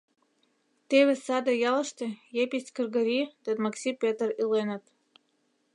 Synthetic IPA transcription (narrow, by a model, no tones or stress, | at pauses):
t̪eβʲɘ̆sɑd̪ajɑlˠɤ̆ʃt̪ʲĕjepʲisʲkɨ̆rɡɤ̆ɾʲit̪ed̪maksʲipʲet̪rilˠenɘ̆t̪